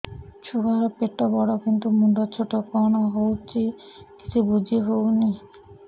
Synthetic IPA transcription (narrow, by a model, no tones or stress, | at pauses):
t͡ɕʰukaɦapeʈːabɔɽakint̪umunɖat͡ɕʰoʈːokɔnaɦowt͡ɕi | ki̥t͡ɕʰubud͡ʑʱieɦoɡni